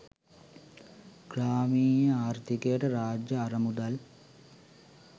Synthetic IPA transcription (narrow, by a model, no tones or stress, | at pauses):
ɡ̥raːmiːjɐaːrt̪ikɐjɐʈɐɾaːd͡ʒjɐːrɐmud̪ɐl